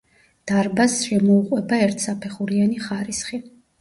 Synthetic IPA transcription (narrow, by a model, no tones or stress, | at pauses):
d̪̥aɾbasʃɛmɔuqʼwɛbaɛɾt̪ʰsapʰɛχuɾianiχaɾisχi